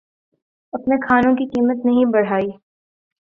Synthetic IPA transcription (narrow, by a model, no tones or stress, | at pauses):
ɐpnekʰaːnõkikiːmət̪nɐɦĩbɐɽ̤aːiː